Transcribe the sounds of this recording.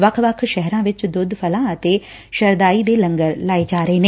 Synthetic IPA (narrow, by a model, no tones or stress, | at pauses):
ʋəkʰʋəkʰʃɛɦɾãːʋɪt͡ʃd̪ʊd̪pʰəlãːət̪eː | ʃəɾd̪aːiːd̪eːləŋɡəɾlaːeːd͡ʒaːɾəeːneː